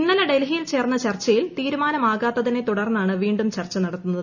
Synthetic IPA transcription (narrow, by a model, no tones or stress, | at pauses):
inːɐlɐɖelɦijilt͡ɕe̞ːrnːɐt͡ɕɐrt͡ɕːɐjilt̪iːɾumaːnɐmaːɣaːt̪ːɐðine̞t̪uɽɐrnːaːɳɨʋiːɳɖumt͡ɕɐrt͡ɕːɐnɐɽɐt̪ːunːɐð